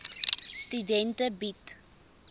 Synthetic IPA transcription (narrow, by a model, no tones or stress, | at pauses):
stydɛntəbit